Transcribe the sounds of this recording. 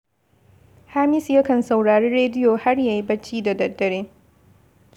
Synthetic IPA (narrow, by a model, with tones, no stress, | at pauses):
haː˦mɪ˦sjɐ˦kɐ˨nsɐ˨wɽaː˨ɽeː˦ɾeː˦dɪ˦joː˨ha˦ɽjaː˨ji˦bɐ˦t͡ʃːiː˦da˨dɐ˨dːɐ˨ɽeː˦